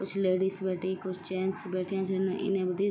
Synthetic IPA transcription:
kʊt͡ʃʰleːɖiːsbɛːʈʰikʊt͡ʃʰt͡ʃɛːnsbɛːʈʰijãːt͡ʃənʔɪ̰nẽːbəd̪i

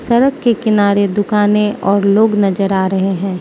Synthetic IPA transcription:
sɐɾəkːekɪnaːɾed̪ʊkaːneɔːɾloːɡnɐd͡ʒəɾaːɾɐɦeɦɛ̃ː

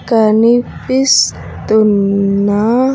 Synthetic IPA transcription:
kanipis | t̪una

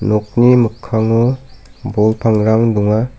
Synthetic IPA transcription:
nɔk̚nimɯkʰːaŋɯbɔlpʰaŋɾaŋduŋa

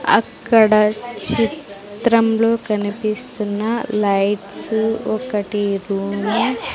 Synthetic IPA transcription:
ɐ̰kːɐɽɐt͡ʃit̪ɾɐmloːkɐnipist̪unːɐlɐjʈsɔkɐʈiɾuːmu

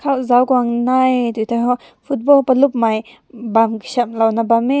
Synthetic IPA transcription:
kʰawzawkɔaŋnajt̪ut̪ʰaɦɔ | fʰut̪̚bɔlpalup̚maj | bamkə̥samlawnabamɛ

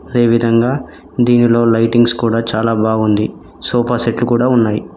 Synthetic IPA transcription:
ɐd̪e̞ːʋid̪ʱɐŋɡaː | d̪iːnilo̞ːlɐjʈiŋɡskuːɽaːt͡ʃaːlaːbaːɡund̪i | soːpʰaːseʈlukuːɽaːunːaːji

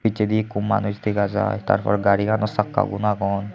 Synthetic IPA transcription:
bited̪ikumːa̰nuzt̪ikaza̰jt̪a̰ɹpʰɔɹɔɡaɹikʰanɔsakːa̰ɡṵnaɡɔn

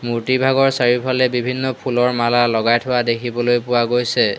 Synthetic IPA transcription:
muɹtibʱaɡɔɹsaɹipʰalɛbibʱinːɔpʰulɔɹmalalɔɡajtʰʊwadekʰibɔlojpʊwaɡojsɛ

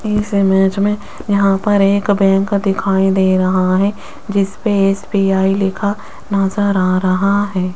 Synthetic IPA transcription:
ɪsemɛːt͡ʃmẽ | jɐɦãpɐɾeːkbɛ̃ːŋkd̪ɪkʰaːid̪eːɾɐɦaɦɛ | d͡ʒɪspeeːsbiːaːilɪkʰa | nɐzəɾaːɾɐɦaɦɛː

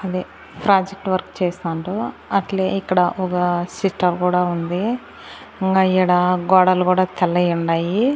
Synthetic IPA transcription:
ɐd̪i | pɾaːd͡ʒek̚ʈʋɐɾkt͡ʃeːsnɐɳʈu | ɐʈleikːɐɽɐʔɔkɐsiʈːɐɾkuːɽaːund̪i | iŋɡajɐɽaːɡɔːɽɐlukuːɽaːt̪ʰɛlːɐjuɳɖaːji

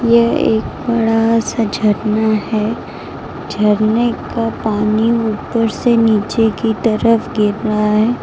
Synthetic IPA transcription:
jeeːk̚bɐɽasad͡ʒʱəɾnaɦɛː | d͡ʒʱɐɾnekapaːniuːpəɾseniːt͡ʃekit̪ɐɾəfɡɪɾɾaɦaɦɛː

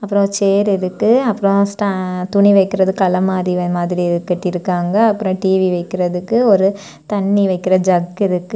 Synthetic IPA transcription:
ɐpːɯɾõt͡ʃeːɾɪɾɯkːɯɐpːɯɾõsʈat̪ʊɳiʋɐɪkːɪɾɐðɯkɐlɐmaːðimaːðɪɾiɛðɯkːɛʈːiɪɾɯkːaːŋɡɐːpːɯɾõʈiːʋiʋɐɪkːɪɾɐðɯkːɯɔɾɯ | t̪ɐɳːiʋɐɪkːɪɾɐd͡ʒɐɡɪɾɯkːɯ

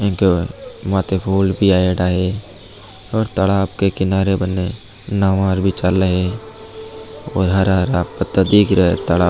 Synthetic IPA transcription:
ẽkemaːt̪epʰuːlbʱiaːeɖaɦe | ɔːɾt̪əlaːbkekɪnaːɾebənːe | naːʋaːɾbʱit͡ʃalːəɦe | ɔːɾɦəɾaːɾaːpət̪ːad̪iːkɾəet̪əlaː

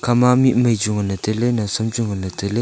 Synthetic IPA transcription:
kʰamamiʔməd͡ʑoŋənət̪əlenəsʰəmt͡ɕoŋənət̪əle

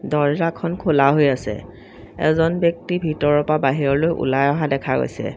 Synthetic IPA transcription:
dɔɹzakʰɔnkʰolaɦojasɛ̰ | ɛ̰zɔnbjɔk̚tibʱitɔɹɔpabaɦiɹɔlojʔṵlajɔɦadɛkʰaɡo̰jsɛ̰

